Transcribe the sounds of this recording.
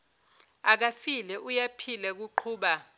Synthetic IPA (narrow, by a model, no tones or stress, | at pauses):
ak̬afilɛʔujapʰilɛk̬uǃʰuːɓa